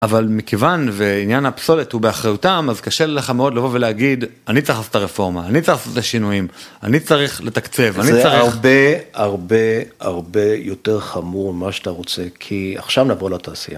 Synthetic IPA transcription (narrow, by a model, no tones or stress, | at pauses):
ʔavalmikevanveinjanapso̞let̪hubeaχʁajut̪amazkaʃeleleχameo̞dlavo̞veleaɡid̪anitt͡saiχlasot̪aʁefo̞ʁmaːnit͡saʁiχasotaʃinujima̰nit͡saʁiχle̞t̪akt͡se̞vanizt͡saʁiaʁbeaʁbea̰ʁbejoteʁχamuʁmaʃat̪aʁot͡sekʰia̰χʃavnaːvʁulataːsḭja